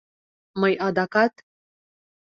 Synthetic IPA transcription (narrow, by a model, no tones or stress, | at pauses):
majʔad̪akat̪